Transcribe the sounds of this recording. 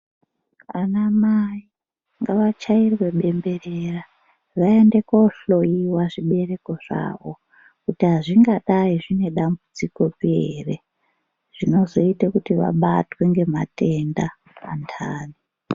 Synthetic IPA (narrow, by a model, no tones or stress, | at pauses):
anamai | ŋɡaʋat͡ʃairwe̞ɓe̞mbe̞rera | ʋae̞nde̞koɬo̞iwaʐiɓe̞re̞ko̞ʐ̥a̰ːʋo | kutiɦaʐiŋɡaɗaiʐine̞ɗambud͡ziko̞piḛre̞ | ʐ̥ino̞zo̞itakutiʋa̰ɓatwe̞ŋɡe̞ma̰te̞nda | pantʰaːni